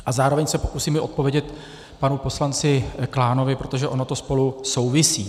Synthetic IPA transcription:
ʔazaːɾo̞vɛɲsɛpokusiːmɪʔo̞t̪̚po̞vjɛɟɛt̪ | panupo̞slant͡sɪklaːno̞vɪpɾo̞t̪o̞ʒɛʔo̞not̪o̞spo̞luso̞wvɪsiː

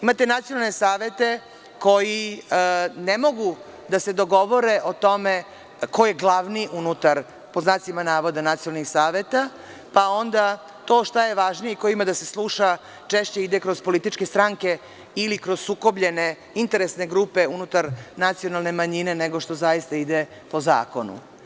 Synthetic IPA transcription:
imat̪e̞nat̪sijo̞nalˠnesaːʋe̞t̪e̞ | ko̞ji | nemo̞ɡu | d̪ase̞d̪o̞ɡo̞ʋo̞ɾe̞ʔot̪o̞me | koje̞ɡlˠaʋniʔunut̪aɾ | po̞znaːsimanaːʋo̞d̪anat̪sijonalnixsaːʋe̞t̪a | pao̞nd̪a | t̪o̞ːʃt̪aje̞ʋaʒnijeiko̞imad̪ase̞slˠuʃa | t͡ʃeʃt͡ɕeid̪ekɾo̞zpo̞lit̪it͡ʃkest̪ɾaŋke̞ | ilikɾoz̥suko̞bʎene | int̪e̞ɾesne̞ɡɾupe̞unut̪aɾnat̪sijo̞nalˠne̞maɲineneɡoʂt̪o̞zajist̪aid̪e | po̞za̰ːko̞nṵ

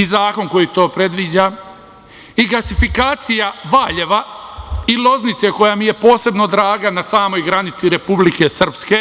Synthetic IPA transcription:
izaːko̞nko̞jit̪o̞ːpɾe̞d̪ʋid͡ʑa | iɡasifikaːt̪sijaʋaːʎe̞ʋailo̞znit̪se̞ko̞jamije̞po̞ːse̞bno̞d̪ɾaːɡanasaːmo̞jɡɾanit̪siɾe̞publike̞sr̩pske̞

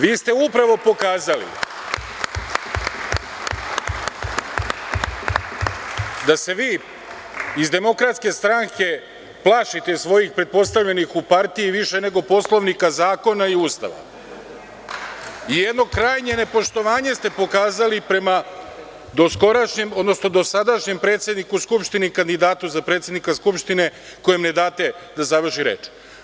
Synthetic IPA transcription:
ʋiːst̪e̞upɾaʋo̞po̞kaːzalḭ | d̪ase̞ʋiː | izd̪e̞mo̞kɾat̪ske̞st̪ɾaŋkʰe̞ | plˠaʃit̪e̞sʋo̞jixpɾe̞t̪̚po̞st̪aʋʎenixupaɾt̪ijiʋiʃe̞ne̞ɡo̞po̞slˠo̞ʋnikazaːko̞naiuːst̪a̰ʋa̰ | ijed̪no̞kɾaːjɲe̞ne̞po̞ʃt̪o̞ʋaːɲe̞st̪e̞po̞kaːzalipɾe̞ma | d̪o̞sko̞ɾaʃɲemo̞d̪no̞sno̞d̪o̞sad̪aʃɲe̞mpɾe̞ːt̪sʲe̞d̪nikuskupʃt̪inikand̪id̪aːt̪uzapɾe̞ːt̪sʲed̪nikaskupʃt̪ine̞ | ko̞jemne̞d̪aːt̪e̞d̪azaʋr̩ʃiɾḛːt͡ʃ

